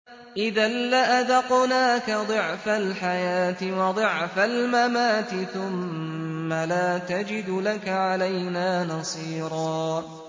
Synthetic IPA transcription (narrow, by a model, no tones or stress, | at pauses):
ʔɪðalːaʔaðɑqnaːkad̪ˤɨʕfalħajaːt̪ɪwɑd̪ˤɨʕfalmamaːt̪ɪθʊmː | alaːt̪ad͡ʒɪd̪lakaʕalajnaːnɑsˤiːɾˤɑː